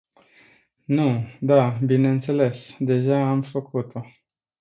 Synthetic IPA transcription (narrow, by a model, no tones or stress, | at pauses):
nud̪abineɨnt̪se̞le̞sd̪e̞ʒaamfəkʰut̪o̞